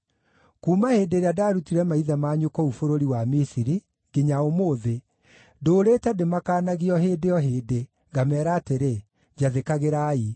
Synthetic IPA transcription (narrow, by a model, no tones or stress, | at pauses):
kuːmahedeɾeadaːɾutiɾɛmaiðamaːɲokɔufoɾoɾiwamisiɾi | ɡeɲaomoðe | doːɾetɛdemakaːnaɣiɔɦeːdejɔɦeːde | ŋɡamɛːɾaːteɾe | d͡ʒaðekaɣeɾaːi